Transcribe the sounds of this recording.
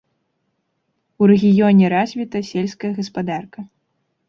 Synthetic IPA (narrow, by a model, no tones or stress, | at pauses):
uɾɛɣʲijɔnʲɛɾazʲvʲit̪ɐsʲɛlʲskɐjɐɣɐspad̪arkɐ